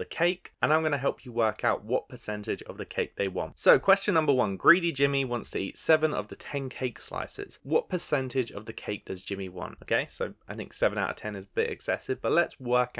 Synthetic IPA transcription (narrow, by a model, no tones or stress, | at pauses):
ðəkʰeɪkə̃ñãɪ̃mɡʌnəɦɛlˠpʰjəwɜˑ˞kʰaʊʔ̚wɒʔ̚pʰəsɛ̃ntɪd͡ʒə̰vðəkʰeɪk̚ðeɪwɒ̰̃ntsəʊkʰw̥ɛst͡ʃə̃nːʌ̃mbəwʌ̃nɡɹiɾid͡ʒɪ̃miwɒ̃ntstʰəḭˑtsɛvə̃nə̰vðətʰɛ̃nkʰeɪksla̰ɪsɪ̰z̥wɒt̚pʰəsɛ̃ntɪd͡ʒə̰vðəkʰeɪk̚d̥ʌzd͡ʒɪ̃miwɒ̰̃ntəʊkʰeɪsəʊaɪθɪ̃ŋksɛvə̃naʊɾə̰̥tʰɛ̃nɪzəbɪɾɨ̰ksɛ̰sɪvb̥ʌʔˡlətswɜˑ˞k